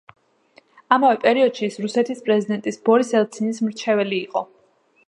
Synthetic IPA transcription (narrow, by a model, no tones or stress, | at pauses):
amavɛpʼɛɾiɔd̪̥ʃiːsɾusɛt̪ʰispʼɾɛzid̪ɛnt̪ʼisbɔɾisɛlˠt̪sʰinismɾt͡ʃʰɛvɛliːqʼɔ